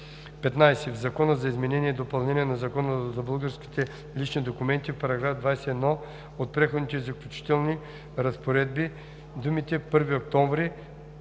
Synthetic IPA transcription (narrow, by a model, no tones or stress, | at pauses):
pɛt̪najsɛvzɐkɔnəzɐizmɛnɛniɛid̪opɐlˠnɛniɛnɐzɐkɔnəzɐbəlˠɡəɾskʲi̥t̪ɛ | lit͡ʃnid̪okumɛnt̪ifpɐɾɐɡɾavd̪vajsɛːd̪nɔ | ot̪̚pɾɛxod̪nit̪ɛizɐklʲut͡ʃi̥t̪ɛlˠni | ɾɐspoɾɛd̪̚bi | d̪umit̪ɛpɤɾviok̚t̪ɔɱvɾi